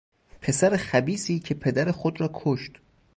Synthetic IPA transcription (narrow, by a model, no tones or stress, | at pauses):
pʰe̞sæɾexæbiːsiːcʰe̞pʰe̞d̪æɾexod̪ɾɒːkʰoʃt̪